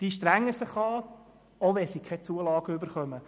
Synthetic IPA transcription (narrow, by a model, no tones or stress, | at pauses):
d̪̥iʃtɾæŋːəsɪχɑː | oʋɛsikʰɛt͡suəlɑːɡ̥əøbəɾχœmə